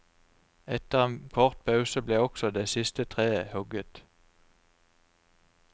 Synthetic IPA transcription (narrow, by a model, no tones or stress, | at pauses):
ɛt̪əʁeːnkʰɔʁt̪̚pʰɑʉsəbleːɔksɔd̪eːsɪst̪ət̪ʰʁeːəhʉɡət̪